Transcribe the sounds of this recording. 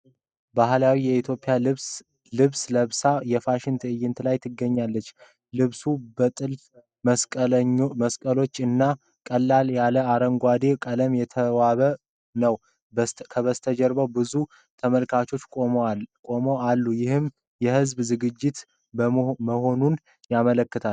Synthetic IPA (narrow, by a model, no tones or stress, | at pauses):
bahlawijɛit̪ʰjo̞pʼːɪjas | lɨβsləβsajɛfaʃɪnt̪ʰɨjɪnt̪ʰlajt̪ʰɨɡːəɲːalːət͡ʃː | lɨβsubət̪ʼɨl | sʼ | məskʼəlo̞t͡ʃːɨnːa | kʼəlːaljaləaɾəŋɡʷad̪ekʼələmjɛt̪ʰəwaβə | nəw | kʰəβəst̪ʰəd͡ʒɛɾbəwbɨzu | t̪ʰəməlkʰat͡ʃo̞t͡ʃːʼokʼo̞mo̞alːujɪhɨm | jɛhɨzbzɨɡɨd͡ʒːɪt̪ | bəməho̞nun | jamələkːɨt̪ʰal